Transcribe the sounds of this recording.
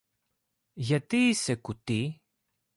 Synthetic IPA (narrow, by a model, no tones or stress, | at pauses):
ʝat̪isekut̪i